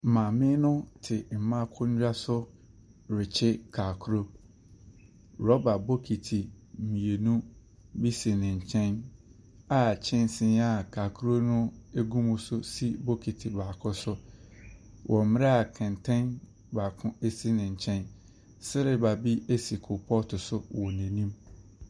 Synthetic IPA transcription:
m̩˨mã˨mɪ̃˦nʊ̃˦tʰɪ˨m̩˨mã˦kʰʊ˦ɲ̩˦d͡ʑᶣa˦sʊ˦ | ɾɪ˨t͡ɕʰɪ˦kʰa˨kʰu˦ɾo˦ | ɾɔ˦ba˨bo˦kʰi˨tʰi˨ | mĩ˨e˨nũ˦ | bi˦si˨nɪ̃˨ɲ̩˨t͡ɕʰɛ̃˦n | a˨t͡ɕʰɪ̃˦n˦sɪ̃˦na˦˨kʰa˨kʰu˦ɾo˦nʊ̃˦e˦ɡũ˦mʊ̃˦sʊ˦si˦bo˦kʰi˨tʰi˨baː˨kʰʊ̃˦sʊ˦ | wʔɔ̃˨m˦mɪ̃˦ɾɛ˦a˨kʰɛ̃˨n˨tʰɛ̃˦n | ba˨kʰʊ̃˦e˦si˦nɪ̃˨ɲ̩˨t͡ɕʰɛ̃˦n | sɪ˦ɾɪ˨ba˨bi˦e˦si˨kʰʊ˨pʰɔ˦tʰʊ˨sʊ˦wɔ˨nɛ̃˨nĩ˦m

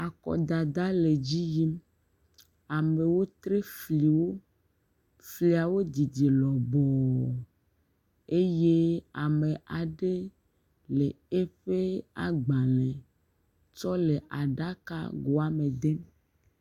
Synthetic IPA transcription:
a˨kɔ̰˨d̪a˨d̪a˦le˨d͡ʑi˦ji˦m | a˨me˨wo˦t̪ɾe˦fli˨wo˦ | fli˨a˨wo˦d̪i˨d̪i˨lɔ˨bɔ˨ | e˦je˦a˨me˨ʔa˨ɖe˦ | le˨ | e˦ɸe˦a̰˨ɡ͡ba˨lẽ˨ | t͡ʃɔ˦le˨ʔa˨ɖa˦ka̰˦ɡo˨a˨me˨d̪e˦m

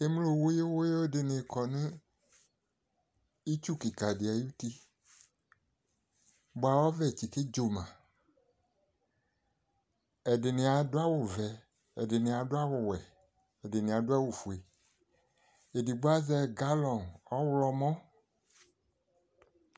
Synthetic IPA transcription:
e˦mu˦lo˨wo˦je˦wo˦je˦dɪ˨nɪ̃˨kɔ˨nũ˦ | i˦t͡ʃu˦ki˨ka˨dɪ˨a˨ju˦ti˦ | bo˦a˨wɔ˦vɛ˨t͡ʃi˨ke˦d͡ʒo˨mã˨ | ɛ˨dɪ˨nɪ̃˨a˨dʊ˦a˦wʊ˨vɛ˨ | ɛ˨dɪ˨nɪ̃˨a˨dʊ˦a˦wʊ˨wɛ˨ | ɛ˨dɪ˨nɪ̃˨a˨dʊ˦a˦wo˨fu˨e˨ | e˨di˨ɡ͡bo˦a˦zɛ˦˨ɡa˦lɔ̃˨nɔ˦wlɔ˦mɔ̃˦

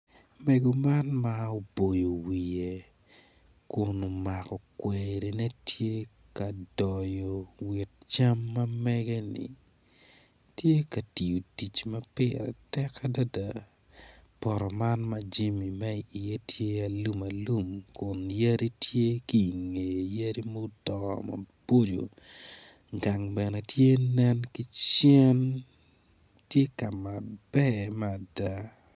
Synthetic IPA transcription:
me˨ɡo˨ma˦nma˦o˨bo˨jo˨wi˨e˨ | kʊ˨no˨ma˨kɔ˨kweɾe˨ne˦tʰje˦ | ka˨dɔ˨jɔ˨wi˨t̚t͡ʃa˦mːɐ˦mɛ˦ɡɛ˦nɪ̰˨ | tje˦ka˨ti˨jo˨ti˨t͡ʃmɐ˦pɪ˦ɾɛ̰˨tɛ˦ka˦da˦da˦˨ | pɔ˨ɾɔ˨ma˦nmɐ˦d͡ʒi˦mi˨mɛ˦i˨ɪ˨je˦tʰje˦a˨lu˦mɐ˨lu˦mkʊ˨nja˦ɾi˦tje˦ki˨ŋe˨jja˦ɾi˦mo˦u˦tɔ̰˨mɐ̰˨b̥o˦d͡ʒo̰˨ | ɡa˨ŋbɛ˨nɛ˨tje˦nɛ˦nki˦t͡ʃjɛ˦n | tje˦ka˨ma˨bɛ˦mɛ˦a˨da˦

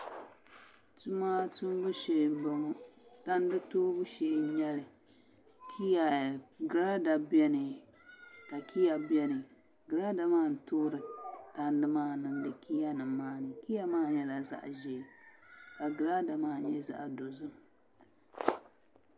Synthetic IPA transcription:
tu˦maː˦tu˦m˦bɨ˦ʃe˨m̩˨bɨ˨ŋu˦ta˦n˦dɨ˦toː˦bʊ˦ʃeː˦˨˦ɲɛ˦lɨ˨ | kʰi˦ja˨ɡɨ˨ɾa˦da˨bjɛ˦nɨ˨ | ka˨kʰi˦ja˨bjɛ˦nɨ˨ | ɡɨ˨ɾa˦da˨maː˦˨n̩˨toː˦ɾɨ˨ta˨n˦dɨ˦maː˦nɨ˨ŋdɨ˨kʰi˦ja˦nɨ˨mːaː˦nɨ˨ki˦ja˦maː˦˨ɲɛ˦la˨za̰˦ʔʒɛ˨ka˨ɡɨ˨ɾa˦da˨maː˦˨ɲɛ˦za̰˦˨ʔdo˨zɨ˦m

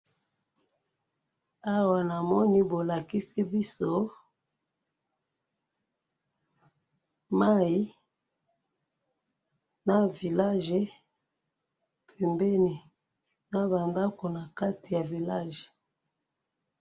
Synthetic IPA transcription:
a˦wa˨na˨mɔ˦ni˦bo˨la˨ki˦si˦bi˦so˦ | ma˦i˦ | na˨vi˨la˦ʒe˨ | pʰe˨mbe˦ni˨ | na˦ba˨nda˦ko˨na˨ka˦ti˨ja˨vi˨la˦ʒe˨

